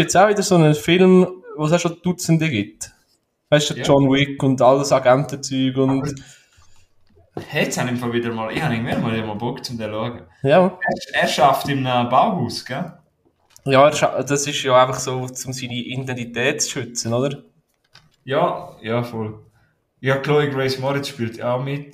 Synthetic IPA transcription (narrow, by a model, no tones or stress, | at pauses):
jɛt͡saʊvɪd̪əɾsonəfɪlmvoːs̬aʃod̥ut͡səndəɡɪt | haɪsd̥əd͡ʒɔnwɪkʊndɑldɑsɑɡantət͡syːɡʊnd | hɛt͡shanɪmfɔlvɪdəɾmɔːlɪhɑnɪmɪɾəmɑːliːmɔlbɔkt͡sʊmdɛluəɡə | jaɛːɾʃɑftɪmənəbaʊhuːsɡ̥ɛ | jɑɛːɾʃɑd̥ɑsɪʃjoæɪfɑχsoːt͡sʊmsiniʔindɛntit̪ɛːtt͡sʃʏt͡sənod̪əɾ | jɑːjɑfɔl | ɪhɑkʰlɔɪɡɾɛɪsmɔɾɪt͡sʃpiːlt̪aʊmɪt